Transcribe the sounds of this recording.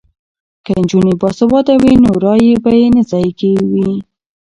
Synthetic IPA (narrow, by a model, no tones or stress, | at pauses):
kənd͡ʒunebɑsabɑd̪awinoɾɑjebajenazɑjkewi